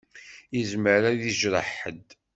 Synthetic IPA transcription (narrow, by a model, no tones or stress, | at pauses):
izməɾæðiʒɾˤəħə̰d̪